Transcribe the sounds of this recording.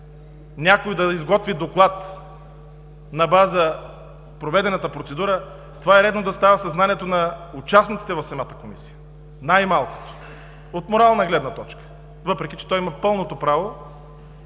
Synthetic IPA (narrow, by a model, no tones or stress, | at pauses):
nʲakojd̪ɐizɡɔt̪vid̪oklˠat̪ | nɐbazə | pɾovɛd̪ɛnət̪əpɾot̪sɛd̪uɾə | t̪ovaɛɾɛd̪nod̪ɐst̪avɐsɐznaniɛt̪onɐut͡ʃasnit̪sit̪ɛvɐfsɐmat̪ə̥komisi̥jə | najmalˠko̥t̪o̥ | ot̪moɾalˠnɐɡlɛd̪nɐt̪ɔt͡ʃkə̥ | vɤpɾɛkʲit͡ʃɛ̥t̪ɔjimɐpɤlˠnot̪opɾavo